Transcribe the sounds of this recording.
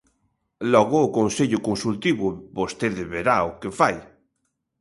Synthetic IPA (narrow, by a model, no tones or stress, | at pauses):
lɔɣʊːkonseʎʊkonsult̪iβʊbost̪eðeβeɾaokefaj